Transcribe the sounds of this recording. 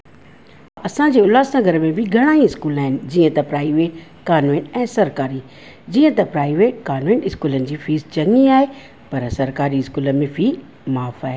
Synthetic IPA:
ɐsãd͡ʑeːʊlaːsãɡʱɐɾəmẽbʱɪɡʱɐɽ̃aːĩɪskuːlaːɦɪnɪ̆d͡ʑiːə̃t̪ɐpɾaːiʋeːʈ | kaːnʋẽːʈɛ̃ːsɐɾkaːɾiː | d͡ʑiːə̃t̪ɐpɾaːɪʋeːʈ̚kaːnʋẽːɳʈɪskuːlənɪ̆d͡ʑiːfiːzt͡ɕɐŋiaːɦe | pɐɾsɐɾkaːɾiɪskuːləmẽfiː | maːfaːɦe

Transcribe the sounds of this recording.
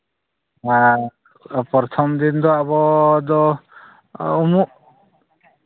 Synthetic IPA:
a | pɔɾt̪ʰɔmd̪ind̪ɔabɔd̪ɔ | umuʔ

